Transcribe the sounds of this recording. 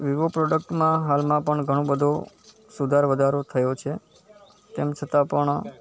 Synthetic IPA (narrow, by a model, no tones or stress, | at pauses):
ʋiʋopɾɔɖək̚ʈmãɦalmãpəɳɡʱəɽ̃õbəd̪ʱo | sud̪ʱaɾʋəd̪ʱaɾot̪ʰəjot͡ʃʰe | t̪emt͡ʃʰət̪ãpəɳ